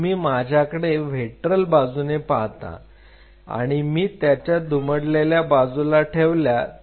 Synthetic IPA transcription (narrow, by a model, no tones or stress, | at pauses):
miːmad͡ʑʱjakəɽeʋ̤eʈɾəlbad͡zunepaɦt̪a̰ | a̰ɽ̃imiːt̪jat͡ɕjad̪uməɽleljabad͡zulaʈʰeʋlja